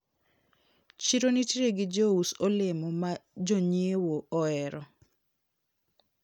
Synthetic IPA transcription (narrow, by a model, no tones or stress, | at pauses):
t͡ʃiɾonitɾeɡɪd͡ʒousɔlɪmɔmad͡ʒoɲiewoɔɛɾɔ